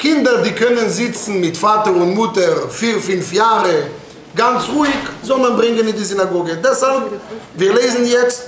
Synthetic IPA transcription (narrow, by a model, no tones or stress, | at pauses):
kʰɪndədiːkʰœnənzɪt͡sn̩mɪtfaːtəʁʊntmʊtəʁfiːʁfʏnfjaːʁə | ɡant͡sʁuːɪkzɔlˠmanbʁɪŋənɪndizɪnaɡoːɡədɛshalp | viːʁleɪzn̩jɛt͡st